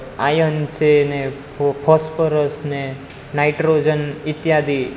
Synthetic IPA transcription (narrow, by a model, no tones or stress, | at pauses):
ajənt͡ʃene | pʰɔspəɾəsne | najʈɾod͡ʒənit̪jad̪ʱi